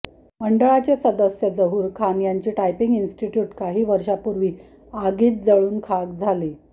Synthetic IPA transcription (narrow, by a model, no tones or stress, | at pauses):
məɳɖəɭat͡ɕesəd̪əsjəd͡zəɦuːɾkʰanjaɲt͡ɕiːʈajpiŋɡinsʈiʈjuːʈkaɦiːʋəɾʂapuɾʋiː | aɡiːt̪̚d͡zəɭuːnkʰaɡd͡zʱale